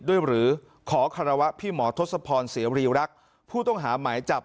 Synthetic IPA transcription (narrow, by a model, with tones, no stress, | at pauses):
du˥˩əjɾɯː˩˦ | kʰɔː˩˦kʰa˧ɾa˧wa˦˥ʔpʰiː˥˩mɔː˩˦t̪ʰo˦˥t̪̚sa˧pʰɔː˧nsi˨˩˦ɾiː˧ɾa˦˥k̚ | pʰuː˥˩t̪ɔ˥˩ŋɦaː˩˦maː˩˦jt͡ɕa˨˩p̚